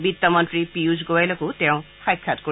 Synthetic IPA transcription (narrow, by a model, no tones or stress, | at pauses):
bit̪ːɔmɔntɹipiuzɡowajlokutɛʊ̃kʰajkʰːatko